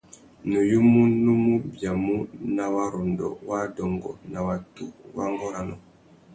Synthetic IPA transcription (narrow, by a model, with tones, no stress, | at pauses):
nu˨ju˦mu˦nu˦mu˦bja˨mu˦na˨wa˦ɾu˨ndɔ̰˨wa˦dɔ˨ŋɡɔ̰˨na˨wa˨tu˦wa˦ŋɡɔ˦ɾa˦nɔ˨